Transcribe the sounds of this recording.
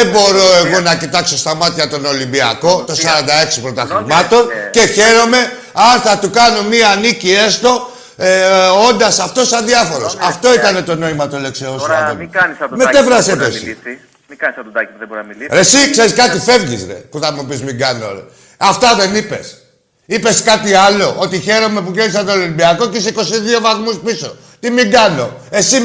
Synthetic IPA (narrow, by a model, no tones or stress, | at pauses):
ebo̞ɾo̞e̞ɣo̞nɐcit̪ɐkso̞st̪ɐmɐt̪çɐt̪o̞no̞limbiɐ̰ko̞t̪o̞sɐɾɐnd̪ɐe̞ksipɾo̞t̪ɐxɾimɐt̪o̞nce̞çe̞ɾo̞me̞ | ɐnθɐt̪ukɐnomiɐnicie̞st̪o̞ | o̞nd̪ɐsɐft̪o̞sɐnðiɐfo̞ɾo̞sɐft̪o̞it̪ɐne̞t̪o̞no̞imɐt̪ole̞ksiossɐt̪ommet̪e̞vɾɐset̪osi | mikɐnisɐt̪d̪ɐuðebɾiɾesikse̞ɾiskɐt̪ife̞vʝḭzɾḛpuθɐmupizmiɡɐno̰ɾḛ | ɐft̪ɐðe̞nipe̞̰s | ipe̞skɐt̪iɐlo̞ʔot̪içe̞ɾo̞me̞puʝenisɐt̪oliibiɐko̞ceseiko̞siðio̞vɐθmuspiso̞ | t̪imiɡɐno̞e̞si